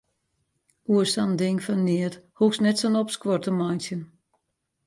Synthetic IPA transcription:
uəsandɪŋfanːɪəthuksnɛtsənɔpskʋɔrtəmajnsjən

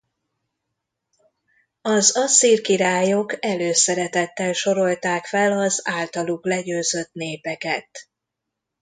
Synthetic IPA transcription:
ɒzɒsirkiɾaːjo̞kɛløːsɛɾɛt̪ɛt̪ːɛlʃo̞ɾo̞lt̪aːkfɛlɒzaːlt̪ɒluklɛɟøːzø̞t̪neːpɛkɛt̪

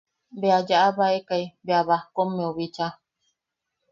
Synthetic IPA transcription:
bead͡ʒaʔaβaekaibeaβahkomːẽoβit͡ʃa

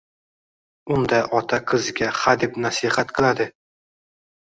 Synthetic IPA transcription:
ʊnd̪ajɒt̪ʰaqʰɨzɪɡʲaχad̪ɪpnasɪhat̪qʰɨlˠad̪ɪ

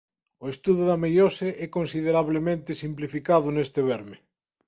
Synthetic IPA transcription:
oest̪uðuðamejoseʔɛkonsið̞eɾaβlemẽnt̪esimplifikaðʊnest̪eβ̞ɛɾme

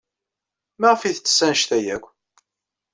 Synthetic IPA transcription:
mæʁfiθt͡sːə̥sːænʃt̪æjækʷː

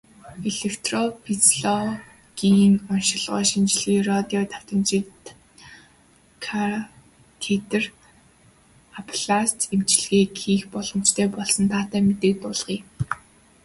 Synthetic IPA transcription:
eɮekʰt̪ʰrɔpʰit͡sɮɔ | ɡ̥iŋɔnʃɪ̆ɮʁœ̰ːʃimt͡ɕɮĭkrɔt̪iɔt̪ʰaw̥t̪ə̆mt͡ɕit̪ | kʰa | t̪ʰet̪ɘ̆r | apʰɮast̪emt͡ɕɪ̆ɮɣeːkʰiːxpɔɮɞ̆m̥t͡ɕt̪ʰeːpɔɮsɞ̆nt̪ʰaːt̪æːmet̪eːk̚t̪ʊːɮʁ̥iː

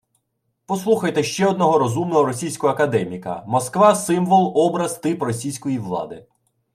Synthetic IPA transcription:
pɔslˠuxɐjt̪ɛʃt͡ʃɛɔd̪̚nɔɦɔɾɔzumnɔɦɔɾɔsʲijsʲkɔɔɐkɐd̪ɛmʲikɐ̰mɔskʋɑsɪmʋɔlˠɔbɾɐzt̪ɪprɔsʲijsʲkɔjiʋlˠɑ̰d̪ɪ

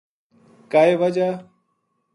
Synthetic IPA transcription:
kaːeːʋəd͡ʒaː

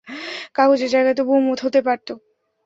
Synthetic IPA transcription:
kaɦod͡ʑeɾd͡ʑajɡaet̪obumot̪ɦot̪epaɾt̪o

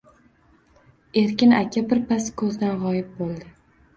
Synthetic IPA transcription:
e̞ɾkʲɪnakʲʰabɪɾpʰaskʰɵzd̪anʁɒjɪp̚bolˠd̪ɪ

